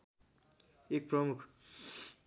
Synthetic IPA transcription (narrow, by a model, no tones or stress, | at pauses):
ek̚prʌmukʰ